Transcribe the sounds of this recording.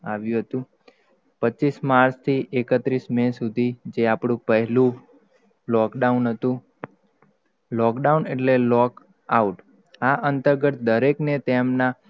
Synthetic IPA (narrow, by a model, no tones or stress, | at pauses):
aʋjũɦət̪ũ | pət͡ʃːismaɾst̪ʰiʔekət̪ɾismẽsud̪ʱid͡ʒeapɽ̃ũpəɦɛlũ | lɔkɖaunɦət̪ũ | lɔkɖauneʈlelɔk | auʈ | aʔənt̪əɾɡət̪d̪əɾeknet̪emna